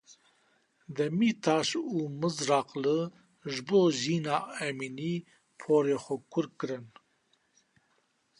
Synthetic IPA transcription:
d̪ɛmiːt̪ʰɑːʃuːmɨzɾɑqlɨ | ʒɨboːʒiːnɑːɛmiːniː | pʰoːɾeːxʷɛkʰʊɾkɨɾɨn

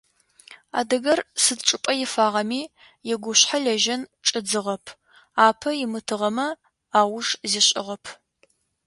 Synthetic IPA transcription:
a̰ːdɨɣɐrsɨdʈ͡ʂʼɨpʼɐjɪfaːʁɐmiː | jɛɡʷʊɕħaɮɐʒɐnʈ͡ʂʼɨd͡zɨʁɐpʰ | aːpʰɐjɪmɨtʰɨʁɐmɐ | aːwʊʂziɕʼɪ̰ʁɐpʰ

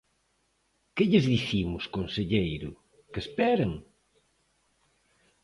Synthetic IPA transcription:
kɪʎɪzðiθimʊskonseʎejɾʊ | kespɛɾɐŋ

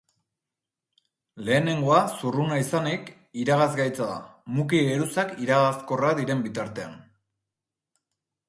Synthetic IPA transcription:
le̞ːne̞ŋɡo̞asurunaisanik | iɾaɣazɡajt͡saða̰muk̬iɣeɾusakiɾaɣasko̞raðiɾe̞mbit̪aɾt̪e̞a̰n

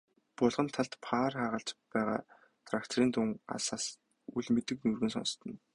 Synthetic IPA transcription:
pʊɮʁə̆nt̪ʰːaɮt̪pʰaːrχaːʁə̆ɬt͡ɕpæːʁa̰ː | t̪ʰrakt̪ʰoɾiːnt̪uŋa̰saːs | uɮmet̪ɘ̆knurɣɘ̆nsɔ̰nst̪ʰə̆n

